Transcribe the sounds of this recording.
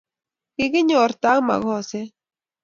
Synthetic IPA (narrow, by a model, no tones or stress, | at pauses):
kiɣiɲoɾt̪ama̰ɣose